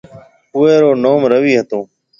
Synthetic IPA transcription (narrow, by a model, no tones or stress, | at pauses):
ʊːeːɾoːnoːmɾəʋiːɦət̪õː